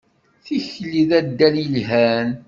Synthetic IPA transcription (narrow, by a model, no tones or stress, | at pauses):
θiçliðæd̪ːælilɦæn